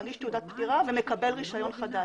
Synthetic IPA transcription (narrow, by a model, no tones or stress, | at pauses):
ɡiʃt̪eud̪at̪̚pd̪iʁaveme̞kabelʁiʃajo̞nχad̪a